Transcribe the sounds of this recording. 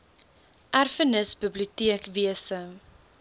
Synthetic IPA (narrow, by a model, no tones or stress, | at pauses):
ʔærfənəsbəbliutiəkviəsə